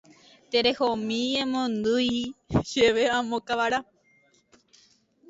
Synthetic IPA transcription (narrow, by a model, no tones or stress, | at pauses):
t̪eɾehomĩẽmõnd̪ɨjʃeʋeãmõkaʋaɾa